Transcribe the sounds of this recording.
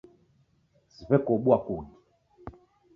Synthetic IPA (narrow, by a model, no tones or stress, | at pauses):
zivɛkoɓuakuni